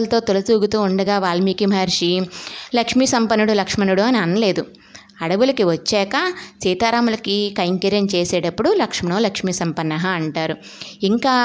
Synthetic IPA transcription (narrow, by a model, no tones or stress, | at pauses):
lt̪o̞ːt̪olɐt̪uːɡut̪uːuɳɖɐɡaːʋaːɭɐmiːkimaːɾʂilɐkʂmisɐmpɐnuɽulɐkʂmɐnuɽuɐniɐnɐle̞ːd̪u | ɐɽɐʋulɐkiʋɐt͡ʃːɛːkɐt͡ʃiːt̪aːɾaːmulɐkikɐjŋkiɾjɐnt͡ʃeːsɛːɽɐpːuɽulɐkʂmɐnoːlɐkʂmiːsɐmpɐnːɐɦɐːɳʈaːɾu | iŋkaː